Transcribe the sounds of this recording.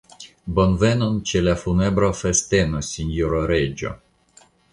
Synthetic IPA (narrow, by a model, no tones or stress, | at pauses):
bo̞nve̞nont͡ʃe̞lafunebɾofeste̞nosʲinjoɾoɾed͡ʒo̰